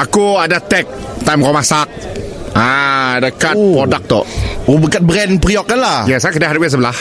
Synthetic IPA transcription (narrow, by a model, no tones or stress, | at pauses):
ʔakuadat̪ɛk̚t̪ãjmkɔmasak̚ʔaadakat̪ɾɔdak̚t̪ɔ̰ʔobəkat̪̚bɾɛnpɾiɔk̚ːalajɛsakadaɦaɾəwes̬əbəlah